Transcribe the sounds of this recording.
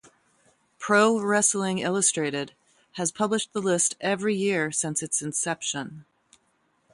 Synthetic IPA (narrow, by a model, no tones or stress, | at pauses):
pʰɹ̥oʊɹɛsl̩ˠɪ̃ŋɪ̰lˠəstɹ̥eɪɾɪd̥̚ | ɨz̥pʰʌbləʃðəlɪstɛvɹijɪɹsɪ̃nsɨtsɨ̃nsɛpʃə̃n